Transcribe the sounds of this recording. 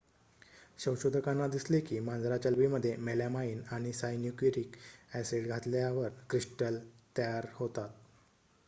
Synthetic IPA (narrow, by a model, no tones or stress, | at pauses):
ɕə̃wɕod̪ʱəkanːad̪islekiːmãnd͡zɾat͡ɕalʋiməd̪ʱːjemelamaiːnaɽ̃isajnjukiɾikæseɽɡʱat̪ljaʋəɾkɾiʂʈəlt̪əjaɾhot̪at̪̚